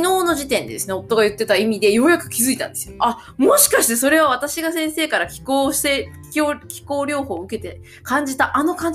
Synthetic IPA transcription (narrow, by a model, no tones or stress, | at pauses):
no̞ːno̞ʑit̪ẽ̞nd̪e̞d̪esɨne̞ot̪ːo̞ɡajɯ̟t̪ːe̞t̪aimʲid̪e̞jo̞jakɯ̟̥kʲizɨit̪ã̰nd̪e̞sɨjoa | mo̞ɕi̥kaɕi̥t̪e̞so̞ɾe̞β̞aβat̪aɕiɡasẽ̞ɰ̃se̞ːkaɾakʲi̥koːɕt̪e̞ | okʲi̥ko̞ːɾʲo̞ːho̞ːɯ̟ke̞t̪e̞ | kãɲ̟d͡ʑit̪aʔano̞kãɲ̟